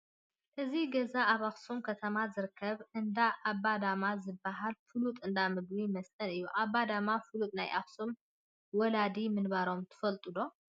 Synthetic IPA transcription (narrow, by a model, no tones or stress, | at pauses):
ʔɨziɡɐzaʔaβaxsumkʰɐt̪ʰɐmazɨɾɨkʰːɐβɨnd̪aʔaβːad̪amazɨbːaɦalfɨlut̪ʼɨnd̪amɨɡbimɐst̪ʼɐnɨjːuʔabːad̪amafɨlut̪ʼnajʔa̰xsum | wɔlad̪imɨnbaɾo̞mt̪ʰɨ̥fɐlt̪ʼɨd̪o̞